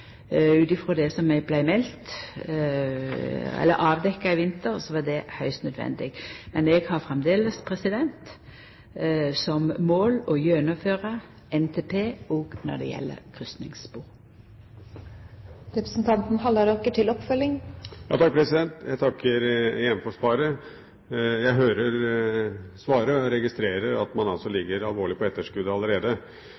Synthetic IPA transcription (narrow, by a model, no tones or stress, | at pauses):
ʉːt̪ɪfɾoːd̪ɛsɔmɛɡ̚blæɪmɛlt̪ | ɛ̰lːəɾɑːʋd̪ɛkːɑɪʋɪnt̪əɾsɔʋɑd̪ɛhœʏst̪nœd̪ʋɛ̰nd̪ɪɡmɛnɛɡhɑʁfɾɛmd̪eːləspʰɾɛsɪd̪ɛnt̪ | sɔmːoːlɔjøːnəføːʁə | ʔɛnt̪ʰeːpʰeːoːɡnɔ̰d̪ɛ̰jɛ̰lːə̰kʰʁʉst̪nɪ̰ŋsbuːʁ | ɾɛpɾəsn̩t̪ʰɑnt̪n̩hɑlːəɾɔkːəʈʰɪlɔpfœlːɪŋjɑ̰ːt̪ɑk̚pʰɾɛsɪd̪ɛnt̪jæɪt̪ʰɑkːəɾjɛnfɔʂpɑːɾə | jæɪɦøːɾəɾ | sʋɑːɾəɔɾɛɡɪst̪ɾeːɾəɾɑt̪mɑnɑlsɔlɪɡːəɾɑlʋoːɭɪpɔɛt̪ːəʂkʉd̪əɑləɾeːd̪ə